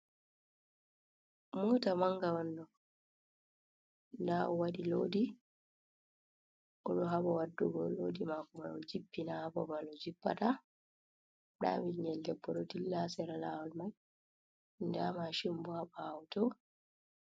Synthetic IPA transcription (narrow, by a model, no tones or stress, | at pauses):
mɔtamaŋɡawandɔ | ndaɔwaɗiloːdi | ʔɔɗɔɦaɓawadːuɡɔlodimakɔmanɔd͡ʒipːinahabɔbanɔd͡ʒipːa̰ta | ɗa̰miɲɛlɡɛbːɔɗɔtilːasɛɾalawalmaj | ndamaʃimbɔhaɓaːwtɔ